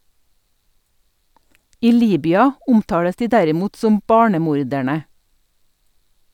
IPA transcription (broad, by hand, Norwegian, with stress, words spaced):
ˈiː ˈliːbʏɑ ˈʊmˌtɑːɽəs ˈdiː ˈdæɾɪˌmuːt ˈsɔm ˈbɑːɳəˌmuːɾdæɳə